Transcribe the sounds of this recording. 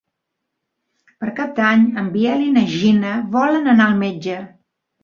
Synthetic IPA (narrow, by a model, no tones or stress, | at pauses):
pəɾkap̚d̪aɲəmbiɛlinəʒinəβɔlənənaəlˠmed͡ʒə